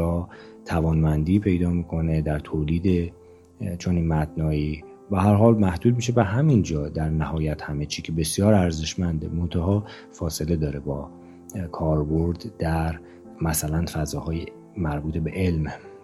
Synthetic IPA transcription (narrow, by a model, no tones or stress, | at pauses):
ɒːt̪ʰævɒːnmænd̪iːpʰe̞jd̪ɒːmiːkʰo̞ned̪æɾt̪ʰoliːd̪e | t͡ʃʰoniːnmæt̪nɒːiː | beɦæɾɦɒːlmæhd̪uːd̪̚miːʃebæɦæmind͡ʒɒːd̪æɾnæhɒːjæt̪hæmet͡ʃʰiːcʰebe̞sijɒːɾæɾze̞ʃmænd̪emo̞nt̪ʰæɦɒː | fɒːse̞le̞d̪ɒːɾebɒː | kʰɒːɾbo̞ɾd̪d̪æɾ | mæsælænfæzɒːɦɒːje | mæɾbuːt̪ʰebe̞ʔelm